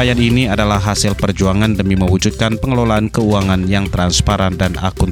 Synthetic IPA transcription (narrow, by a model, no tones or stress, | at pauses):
ajaniniadalahɦasɪlpərd͡ʒuaŋandəmiməwud͡ʒut̪̚kanpəŋəlolaːnkəuaŋanjaŋt̪ɾanspaɾandana̰kʊn